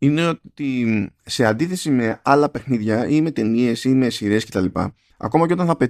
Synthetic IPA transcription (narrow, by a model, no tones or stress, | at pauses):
ine̞o̞t̪ise̞ɐnd̪iθe̞sime̞ɐlɐpe̞xniðʝɐime̞t̪e̞nie̞sime̞siɾe̞sce̞t̪ɐlipɐ̰ | ɐ̰ko̞mɐceot̪ɐnθɐpe̞